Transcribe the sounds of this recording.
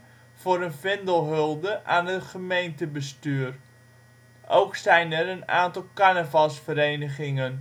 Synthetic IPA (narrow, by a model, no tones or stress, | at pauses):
v̥ʊːɾənfɪndəlˠɦɵlˠdəʔaːnəχəmejntəbəstyːr | ʔowksɛjnəɾəna̰ːntɑlˠkanəvasfəɾejnəχɪŋən